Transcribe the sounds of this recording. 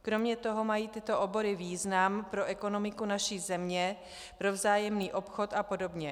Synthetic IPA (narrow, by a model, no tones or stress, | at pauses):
kɾo̞mɲɛt̪o̞ɦo̞majiːt̪ɪt̪o̞ʔobo̞ɾɪviːznampɾo̞ʔɛko̞no̞mɪkunaʃiːzɛmɲɛ | pɾo̞vzaːjɛmniːʔo̞pxo̞t̪apo̞do̞bɲɛ